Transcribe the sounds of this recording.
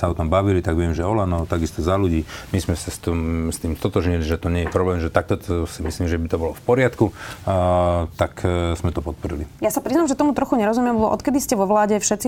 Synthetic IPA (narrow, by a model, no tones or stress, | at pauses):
saɔt̪ɔmbaʋilit̪aɡʋɪɛmʒɛɔlanɔt̪aɡist̪ɔzaluɟiːmizmɛsast̪ɔmst̪iːmst̪ɔt̪ɔʒɲiliʒɛt̪ɔɲɛjɛpɾɔblɛːmʒɛt̪ak̚t̪ɔtɔsimisliːmʒɛbit̪ɔbɔlɔfpɔɾɪat̪ku | t̪akzmɛt̪ɔpɔt̪̚pɔɾḭlijasapɾiznamʒɛt̪ɔmut̪ɾɔxuɲɛɾɔzumjɛmbɔbɔʔɔ̰t̪̚kɛd̪iscɛʋɔʋlaːɟɛfʃɛt̪t͡si